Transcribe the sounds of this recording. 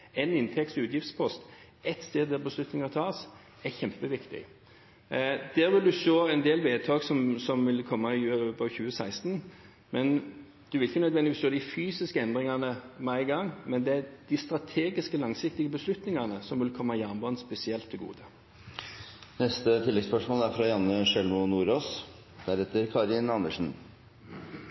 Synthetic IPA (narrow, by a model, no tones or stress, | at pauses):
ɛnɪnt̪ʰɛk̚t̪sʉːt̪jɪft̪spʰɔst̪ | ɛt̪st̪eːd̪d̪æbəslʉt̪nɪŋɑt̪ʰɑːs | ɛçɛmpəʋɪkt̪ɪ̰ | d̪̥æːɾʋɪld̪ʉʃoːɛnd̪eːlʋeːd̪̚t̪ʰɑːɡsɔmsɔmʋɪlkʰɔmːɑɪbɑçʉːəsæɪst̪n | mɛn | d̥̪ɛʋɪlɪçənœd̪ʋɛnd̪ɪʋiːsʃoːd̪ɪfyːsɪskəɛnd̪ʁɪŋɑnəmɛæɪɡɑŋːmɛnd̪ɛæd̪̥ɪst̪ʁɑt̪ʰeːɡɪskəlɑŋsɪk̚t̪ɪɡəbəslʉt̪nɪŋɑnəsɔmʋɪlkʰɔmːɑɪjænbɑːnspɛsɪɛlt̪ʰːɪlɡṵːd̪ə | nɛst̪ət̪ʰɪlːɛɡspœʂmoːlæɾfɾɑjɑnːəʂɛlmʊnuːɾoːs | d̪æɾhɛt̪ːəɾkʰɑːɾɪnɑnd̪əʂn̩